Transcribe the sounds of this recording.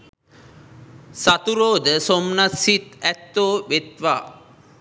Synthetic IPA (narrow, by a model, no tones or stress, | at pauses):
sat̪uɾoːd̪əsomnasit̪æt̪ːoːʋet̪ʋaː